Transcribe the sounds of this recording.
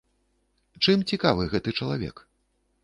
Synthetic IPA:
t͡ʂɨmt͡sʲikavɨɣɛt̪ɨt͡ʂɐlˠavʲɛ̰k

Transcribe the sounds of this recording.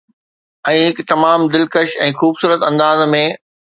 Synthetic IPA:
ɛ̃ːɦɪkt̪ɐmaːmd̪ɪlkəʃɛ̃ːxuːbsuːɾət̪ɐ̃nd̪aːzmẽ

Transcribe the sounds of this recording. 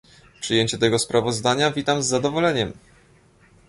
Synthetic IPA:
pʂɘjeɲt͡ɕɛt̪ɛɡɔspɾavɔzd̪aɲavʲit̪amzːad̪ɔvɔlɛɲɛm

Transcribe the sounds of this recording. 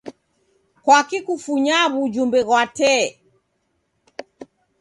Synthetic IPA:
kwakikufuɲaβud͡ʒumbɛɣwatɛ

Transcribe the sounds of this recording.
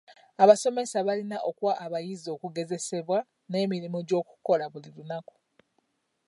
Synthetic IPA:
aβaso̞me̞saβalinaʔo̞kuwaʔːβajizo̞ːkuɡe̞ze̞se̞βwa | ne̞ːmiɾimuɟo̞ːku̥ko̞laβulilunaku̥

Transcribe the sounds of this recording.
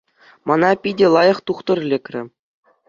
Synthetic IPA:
mɑnɑpʲidʲĕlˠɑjɤ̆χt̪uχt̪ɤ̆rlʲĕkʲrʲɘ̰̆

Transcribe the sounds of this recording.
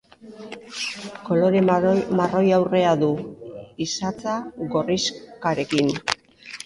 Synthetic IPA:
ko̞lo̞ɾe̞maro̞jawre̞aðuisat͡saɣo̞riskaɾe̞kin

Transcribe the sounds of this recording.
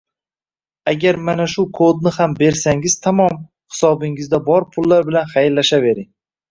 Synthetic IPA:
aɡʲaɾmanaʃʊkʰod̪̚nɪhambe̞ɾsaŋɪz̥t̪ʰamɒm | hɪ̥sɒbɪŋɪzd̪abɒɾpʰʊlːaɾbɪlanχajɪlːaʃave̞ɾɪŋ

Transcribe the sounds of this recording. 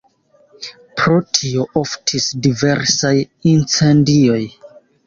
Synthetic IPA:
pɾo̞tʰio̞ʔoftʰisdive̞ɾsaj | int͡se̞ndio̞j

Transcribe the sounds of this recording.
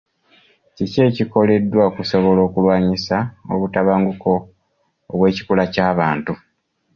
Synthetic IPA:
cice̞ːciko̞le̞dːwakuso̞βo̞lo̞ːkulwaːɲisao̰βutaβaːŋɡuko̞ː | βwe̞ːci̥kulacaːβaːntu

